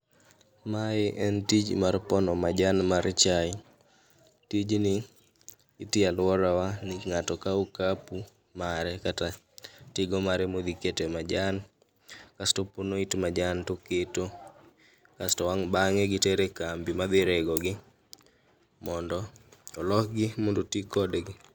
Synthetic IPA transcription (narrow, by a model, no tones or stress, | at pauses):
maɪʔɛntid͡ʒmarpɔnɔmad͡ʒanmaɾt͡ʃajɪ | tid͡ʒnɪː | tialwɔɾawanɪŋatɔkaukapu | maɾɛkata | tɪɡɔmaɾɛmod̪iketemad͡ʒan | kastɔponoitmad͡ʒantoketo | kastɔwaŋbaŋɛɡɪtɛɾekambimad̪ɪɾɛɡɔɡɪ | mɔndɔɔlɔkɡɪmondotikɔdɡɪ